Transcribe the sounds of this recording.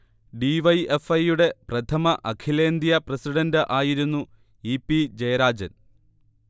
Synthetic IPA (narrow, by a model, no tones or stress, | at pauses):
ɖiʋɐjefɐjːuɽe̞prɐt̪ʰɐmɐʔɐkʰile̞ːnd̪jɐprɐsiɽɐndɨʔaːjiɾunːu | ipːid͡ʑɐjɐɾaːd͡ʑɐ̰n